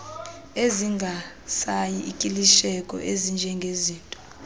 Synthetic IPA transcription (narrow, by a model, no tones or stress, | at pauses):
eziŋɡʱa | sajiikʼiliʃɛkʼɔ̰ʔezind͡ʒʱɛŋɡʱeziːntʼɔ̥